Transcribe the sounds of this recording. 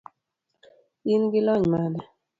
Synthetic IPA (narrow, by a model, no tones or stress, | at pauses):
inɡilɔɲmadɛ